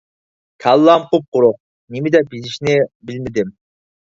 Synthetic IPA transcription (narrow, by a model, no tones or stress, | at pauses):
kʲʰɑlˠːɑmqup̚qʊɾuq̚ | nimid̪ɛbiziʃinebilmid̪ɪm